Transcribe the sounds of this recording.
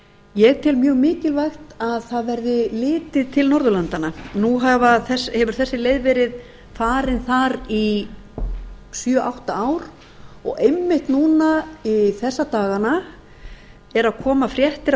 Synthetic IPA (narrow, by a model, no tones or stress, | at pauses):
jɛɣt̪ʰɪlmjœːɣmɪːcɪlvajxt̪aðθaðvɛɾðɪlɪːt̪ɪðt̪ʰɪlnɔɾðʏlant̪ananuɦavaθɛshɛvʏɾ̥θɛsːɪleːjðvɛːɾɪð | faːɾɪnθaɾi | sjœʔawht̪aaːwɾ | ɔ̰ɣejmːɪht̪nuːnaiθɛsːat̪aːɣana | ɛɾaðkʰɔːmafɾjɛht̪ɪɾ